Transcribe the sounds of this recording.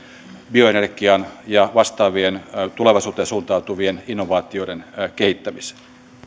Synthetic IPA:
bio̞enerɡiɑnjɑʋɑst̪ɑːʋient̪uleʋɑisuːt̪ːˑensuːnt̪ɑut̪uʋieninːoʋɑːt̪ˑioienkehit̪ːæmise̥

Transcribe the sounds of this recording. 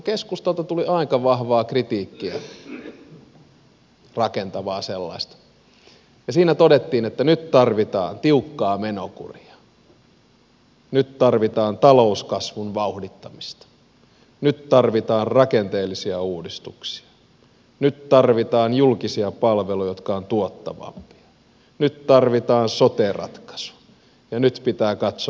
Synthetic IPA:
keskust̪ɑlt̪ɑt̪uliʔɑikɑʋɑhʋɑːkrit̪iːkːiæ | rɑkent̪ɑʋɑːselːɑ̰ist̪ɑ̥ | jɑsiːnæt̪odet̪ːiːnet̪ːænyt̪t̪ɑrʋit̪ɑ̰ːnt̪iukːɑːmenokṵriɑ̥ | nyt̪t̪ɑrʋit̪ɑːnt̪ɑlouskɑsʋunʋɑuhdit̪ːɑmist̪ɑ̥ | nytt̪ɑrʋit̪ɑːnrɑkent̪eːlːisiæuːdist̪uksi̥ɑ̥ | nyt̪t̪ɑrʋit̪ɑːnjulkisiɑpɑlʋelojot̪kɑont̪uot̪ːɑ̰ʋɑ̰mpi̥ɑ̥ | nyt̪t̪ɑrʋit̪ɑːnsot̪erɑ̰t̪kɑ̥su̥ | jɑnyt̪pit̪æːkɑt̪so

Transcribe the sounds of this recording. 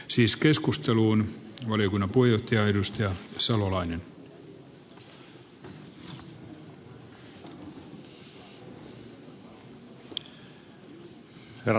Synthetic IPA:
siːske̞skust̪eluːnʋɑlijokunːɑpoijoht̪ːiɑedust̪ɑjɑsɑlolɑinen

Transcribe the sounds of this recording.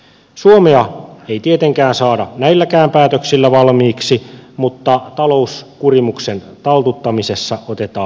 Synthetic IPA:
suomeɑeit̪iet̪eŋkæːnsɑːdɑnæilːækæːmpæːt̪øksilːæʋɑlmiːksimut̪ːɑt̪ɑlo̞uskurimuksent̪ɑlt̪ut̪ːɑmisesːɑot̪et̪ɑː

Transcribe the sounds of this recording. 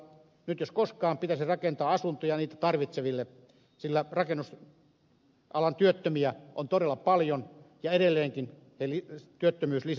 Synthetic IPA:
nyt̪joskoskɑːmpit̪æsirɑkent̪ɑːɑsunt̪ojɑniːt̪æt̪ɑrʋit̪seʋilːe | silːærɑkenːus | ɑlɑnt̪yøt̪ːømiæʔont̪oɾelːɑpɑljonjɑedelːeːŋkin | helit̪yøt̪ːømyːslis

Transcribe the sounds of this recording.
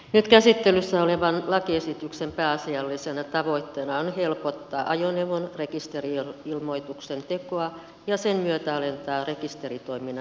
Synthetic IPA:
nyt̪kæsit̪ːelysːæoleʋɑnlɑkiesit̪yksempæːɑsiɑlːisenæt̪ɑʋoit̪ːeːnɑonhelpot̪ːɑːʔɑjoneʋonrekist̪eriilmoit̪uksent̪ekoɑ | jɑsenmyøt̪æɑlent̪ɑːrekist̪erit̪oiminɑ

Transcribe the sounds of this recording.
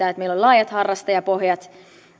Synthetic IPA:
æːet̪meilolʲlɑːjɑt̪hɑrːɑst̪ɑjɑpohjɑt̪

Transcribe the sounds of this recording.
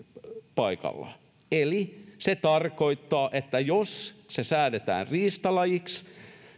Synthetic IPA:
pɑikɑ̰lːɑ̰ | eliset̪ɑrkoit̪ːɑːʔet̪ːæjossesæːdet̪æ̰ːnriːst̪ɑlɑjiks

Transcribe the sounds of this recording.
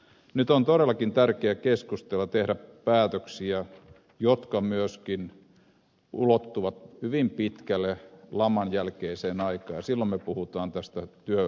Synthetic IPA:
nyt̪ont̪oɾelːˑɑkint̪ærkeækeskust̪elːɑt̪ehɾæpæːt̪øksiæ | jot̪kɑmyøskin | ulot̪ːuʋɑt̪hyʋimpit̪kælːelɑmːɑnjælkeiseːnɑikˑɑːjɑsilːommepuhut̪ɑːnt̪æst̪æt̪yø

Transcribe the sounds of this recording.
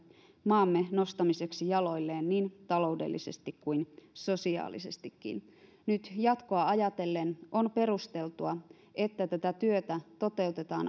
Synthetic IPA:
mɑːmːeno̞st̪ɑmise̞ksijɑlo̞jlːeːnniːnt̪ɑlo̞ude̞̰lːḭse̞st̪ikkuinso̞siɑ̰ːlḭse̞st̪ikːḭn | nyt̪jɑt̪koɑɑjɑt̪e̞lːeno̞npe̞rust̪e̞lt̪uɑ | et̪ːæt̪æt̪æt̪yøt̪æt̪o̞t̪e̞ut̪e̞t̪ɑːn

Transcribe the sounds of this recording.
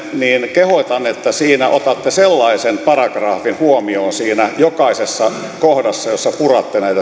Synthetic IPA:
niːnkehot̪ɑnet̪ːæsiːnæʔot̪ɑt̪ːeselːɑisenpɑrɑɡrɑːfinhuomioːnsiːnæjokɑisesːɑ | kohdɑsːɑjosːɑpurɑt̪ːenæit̪æ

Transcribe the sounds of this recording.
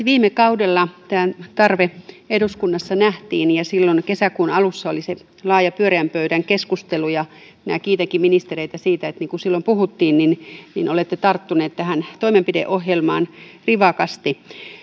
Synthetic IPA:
ʋiːmekɑudelːɑt̪æːnt̪ɑrʋe | eduskunːɑsːɑnæht̪iːnjɑsilːonkesækuːnɑlusːɑolise | lɑːjɑpyøɾiæmpøyɾæŋkeskust̪elujɑ | inæ̰kiːt̪eŋkiminist̪ereit̪æsiːt̪æet̪niːŋkusilːompuhut̪ːiːnninninolet̪ːet̪ɑrt̪ːuneːt̪t̪æhænt̪oimempidḛʔohjelmɑːnriʋɑkɑst̪i

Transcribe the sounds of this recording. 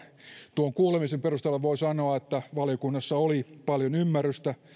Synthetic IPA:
t̪uoŋkuːlemisemperust̪ɑlːeʋʋoisɑnoɑet̪ːæʋɑljokunːɑsːɑolipɑljonymːærˑyst̪æ

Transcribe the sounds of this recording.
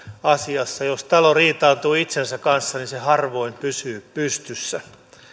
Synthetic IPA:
ɑsiɑsːɑjost̪ɑloriːt̪ɑːt̪uːit̪sensækkɑnsːɑninsehɑrʋo̞impysyːpyst̪ysːæ

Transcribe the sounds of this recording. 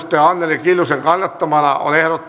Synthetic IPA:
t̪ːeɑnːelikilːuseŋkɑnːɑt̪ːɑmɑlɑ̰o̰lehrot̪ː

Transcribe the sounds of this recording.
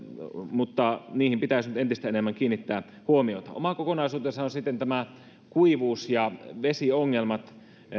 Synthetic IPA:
mut̪ːɑniːhimpit̪æˑisnyt̪ent̪ist̪æenemːæŋkiːnːˑit̪ːæː | huomiot̪ɑ̰o̰mɑkokonɑisuːt̪esɑonsit̪ːent̪æmæ | kuiʋuːsjɑʋesioŋːelmɑt̪

